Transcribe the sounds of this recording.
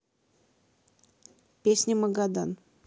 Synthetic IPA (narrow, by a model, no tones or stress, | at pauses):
pʲesʲnʲəməɡad̪an